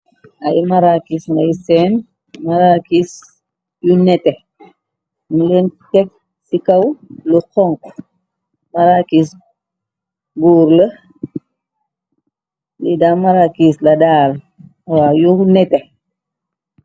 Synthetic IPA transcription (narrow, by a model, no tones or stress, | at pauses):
ajmaɾakisnajsɛn | maɾakis | junɛtɛ | milɛntɛk̚ | sikɐwlukɔŋk | maɾakis | buːɾlə | lidamaɾakislɐdaːl | wajunɛte